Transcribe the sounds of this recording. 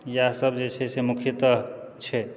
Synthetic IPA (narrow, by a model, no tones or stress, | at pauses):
jasəbd͡ʒet͡ʃʰɛsemukʰjət̪əɦ | t͡ʃʰɛ